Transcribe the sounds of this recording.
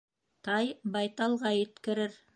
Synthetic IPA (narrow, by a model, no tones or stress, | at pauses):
t̪ɑjbɑjt̪ɑlˠʁɑjɘ̆t̪kɘ̆ɾɘɾ